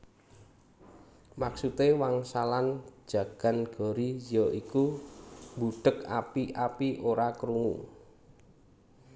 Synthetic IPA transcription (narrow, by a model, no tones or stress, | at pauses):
maksut̪ewaŋsalan̥d͡ʒ̥ä̤ɡ̥a̤nɡ̥ɔ̤ɾijɔʔiku | buɖ̪̥əka̰piʔapiʔoɾakəɾuŋṵ